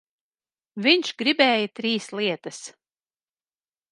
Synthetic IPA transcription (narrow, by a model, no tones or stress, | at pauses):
viɲʃɡɾibɛːjɐt̪ɾiːslˠiɛt̪ɐs